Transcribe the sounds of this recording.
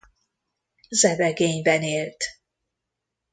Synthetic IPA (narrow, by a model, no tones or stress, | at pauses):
zɛbɛɡeːɲbɛneːlt̪